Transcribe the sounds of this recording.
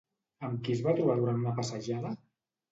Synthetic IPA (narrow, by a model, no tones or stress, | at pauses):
əmkizβat̪ɾuβaðuɾanunapasəʒaðə